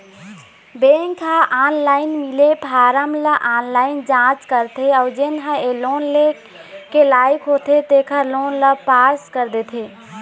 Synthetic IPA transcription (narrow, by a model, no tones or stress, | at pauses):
beŋkɦaʔanlaɪnmilepaɾəmləʔanlaɪnd͡ʒãt͡ʃkəɾt̪ʰeɔʊd͡ʒenɦaelonle | kelajkɦot̪ʰet̪ekʰəɾlonləpaskəɾd̪et̪ʰe